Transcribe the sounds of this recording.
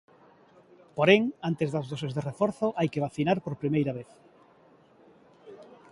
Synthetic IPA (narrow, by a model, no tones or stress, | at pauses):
poɾeŋant̪ezðɐzðosezðerefɔɾθoʔajkeβ̞aθinaɾpoɾpɾimejɾɐβeθ